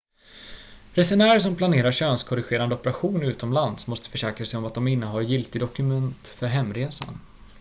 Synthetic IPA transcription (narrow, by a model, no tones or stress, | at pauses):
ɾɛsɛnæːɾəʂ̬ɔmpʰlaneːɾaɕøːnskʰɔɾɪɧeːɾand̪əɔpəɾaɧuːnʉ̟ːt̪ɔmlansmɔst̪ə̥fœʂɛːkɾasɛjɔmat̪̚d̪ɔmɪnːəɦaɾjɪlt̪ɪd̪ɔkɵmɛnt̪fœɾɦɛmːɾeːsa̰n